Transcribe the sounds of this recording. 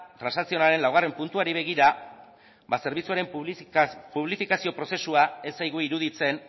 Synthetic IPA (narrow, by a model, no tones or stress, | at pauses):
t̪ɾansasio̞naɾe̞nlawɣare̞mpunt̪uaɾiβ̞e̞ɣ̞iɾa | base̞ɾβit͡suaɾe̞m | puβlifikasio̞pɾo̞se̞suae̞sajɣuiɾuðit͡se̞n